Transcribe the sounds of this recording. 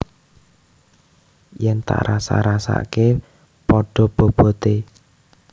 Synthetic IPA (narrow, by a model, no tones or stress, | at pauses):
jɛnt̪a̰ʔɾasa̰ɾasa̰ke | pɔɖ̥ɔ̤b̥ob̥ɔ̤t̪e